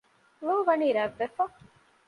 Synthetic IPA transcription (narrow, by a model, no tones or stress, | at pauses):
loɦuʋɐniːɾɐʋːefɐ